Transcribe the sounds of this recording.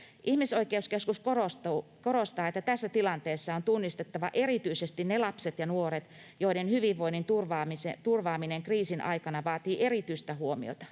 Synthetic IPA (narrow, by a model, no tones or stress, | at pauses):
ʔihmisoikeuskeskuskorost̪uːkorost̪ɑːet̪ːæt̪æsːæt̪ilɑnt̪eːsːɑont̪unːist̪et̪ːɑʋɑʔe̞ɾit̪yisest̪innelɑpset̪jɑnuoɾet̪ | jo̞idenhyʋiʋːo̞inːint̪urʋɑːmiset̪urʋɑːmineŋkriːsinʔɑ̰ikɑnɑʋɑːt̪iːʔerit̪yist̪æhuomḭo̰t̪ɑ̥